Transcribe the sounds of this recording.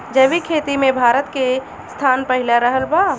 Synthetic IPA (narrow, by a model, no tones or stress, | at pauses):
d͡ʒəbikʰet̪imebʱaɾət̪ke | st̪ʰanpəɦilaɾəɦəlba